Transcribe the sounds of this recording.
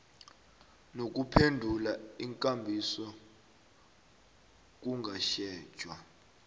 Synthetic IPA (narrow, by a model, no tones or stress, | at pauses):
nok̬ʼupʰendʱulaiŋkʼambʱisɔ | k̬uŋɡʱaʃɛ̥ːʒ̥ʱwa